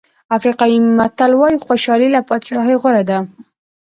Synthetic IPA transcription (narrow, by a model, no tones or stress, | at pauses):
afɾiqɑimat̪alwɑjixwoʃɑlilapɑt̪ʃɑɦəjɣʊɾad̪a